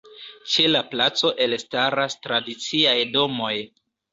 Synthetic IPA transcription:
t͡ʃe̞laplat͡so̞ʔe̞lstaɾastɾadit͡siajdo̞mo̞j

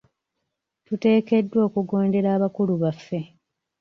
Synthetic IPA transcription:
tute̞ːke̞dːwo̞ːkuɡo̞ːnde̞ɾaːβakuluβafːe̞

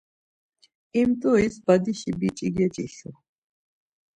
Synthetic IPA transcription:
imt̪ʼuisbad̪iʃibit͡ʃʼiɡɛt͡ʃʼiɬu

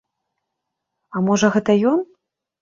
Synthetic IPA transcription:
ɐmɔʐɐɣɛt̪ɐjɔn

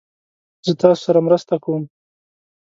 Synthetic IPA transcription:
z̥ət̪ɑso̥saɾamɾəst̪akawəm

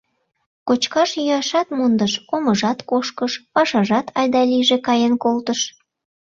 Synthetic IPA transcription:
kot͡ɕkɑʃjyɑʃɑt̪mond̪əʃoməʒɑt̪koʃkəʃpɑʃɑʒɑt̪ɑjd̪ɑliʒekɑjenkolt̪əʃ

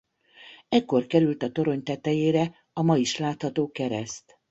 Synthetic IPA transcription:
ɛkːo̞rkɛɾylt̪ɒt̪o̞ɾo̞ɲt̪ɛt̪ɛjeːɾɛ | ɒmɒjiʃlaːt̪hɒt̪oːkɛɾɛst̪

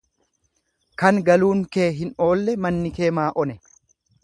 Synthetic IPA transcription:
kɐŋɡɐluːŋke̞ːɦɪno̞ːlːɛmɐnːɪke̞ːmaːʔɔnɛ

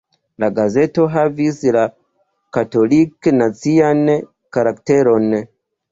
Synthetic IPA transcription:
laɡaze̞to̞ɦavisla | kato̞liknat͡sian | kaɾakte̞ɾo̞n

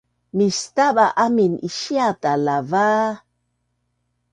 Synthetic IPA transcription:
mist̪aɓaʔaminiʃiatalava

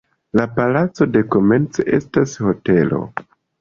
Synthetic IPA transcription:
lapalat͡so̞de̞ko̞me̞nt͡se̞̰ʔe̞stasho̞te̞lo̞̰

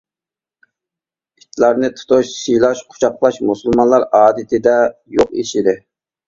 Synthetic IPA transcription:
it̪ʰlˠɑɾnɨt̪ʰu̥t̪ʰʊʃsijlˠɑʃqʰʊ̥t͡ʃʰɑqlˠɑʃmusulˠmɑnlˠɑɾɑːd̪ɪt̪ʰɪd̪ɛjoqḭʃid̪ɪ

